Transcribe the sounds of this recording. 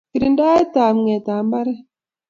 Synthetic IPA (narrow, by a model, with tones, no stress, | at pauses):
ki˨ɾi˨nda˦e˦taː˨m˨ŋɛ˨taː˨˦mba˦ɾɛ˦